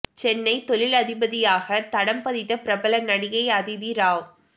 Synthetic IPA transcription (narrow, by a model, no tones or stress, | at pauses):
t͡ʃɛnːɐɪt̪ɔlɪlɐðɪbɐðɪjaːɣɐt̪ɐɽɐmpɐðɪt̪ːɐpɪɾɐbɐlɐnɐɽɪɣɐɪɐðɪðiɾaːʋ